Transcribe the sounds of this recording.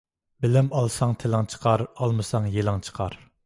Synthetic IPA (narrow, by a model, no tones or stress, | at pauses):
bɪlɪmɑlˠsɑŋt̪ʰelɑŋt͡ʃʰə̥qʰɑɾɑlˠmɨsɑŋjelˠɑŋt͡ʃʰə̥qʰɑɾ